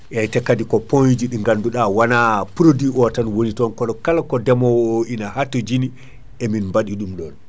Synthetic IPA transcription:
ʔɛjtɛkːadikɔpond͡ʒiɗiŋɡanduɗawanapuɾodiʔɔtanwonitɔnkɔɗɔkalakɔdɛmɔwɔoʔinahatod͡ʒini | ɛminmbaɗiɗumɗɔn

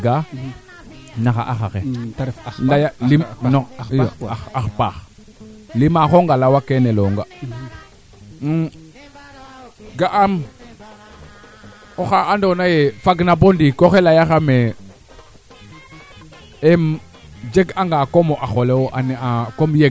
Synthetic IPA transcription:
ɡa | naxa̰ʔaxaxḛ | lajalimno | axpax | limaxoŋɡalawakeneloŋɡa | ɡaʔam | oxaandonajefaɡnabondikoxelajaxame | em | d͡ʒeɡaŋɡakomoʔaxolewoʔaneakomje

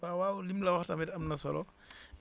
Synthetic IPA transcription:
awawlimlɐwɐxtɐmɛtɐmnɐsɔ̰lɔ

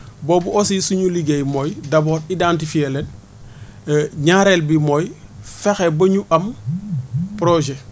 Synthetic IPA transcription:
boːbuʔosisuɲuliɡejmojdaboːɾidantifielen | ɲaɾelbimojfexebɐɲuʔɐm | pɾoʒe

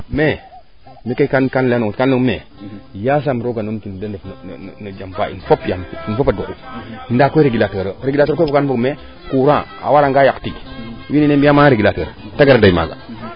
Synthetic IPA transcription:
me | mikakankanlenoŋtkanlomḛ | jas̬amɾoɡanomtindedefn̰nod͡ʒampa̰ḭfopjaminfopadukundakoiɾeɡilatəɾəɾeɡilatoɾkfkanfoɡme | kuɾaa̰waɾaŋɡajaktiɡwininembijamaɾeɡilatəɾtaɡaɾadaima̰ɡa̰

